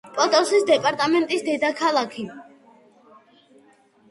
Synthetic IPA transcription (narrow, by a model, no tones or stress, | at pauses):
pʼɔt̪ʼɔsisd̪ɛpʼaɾt̪ʼamɛnt̪ʼisd̪ɛd̪akʰalˠakʰi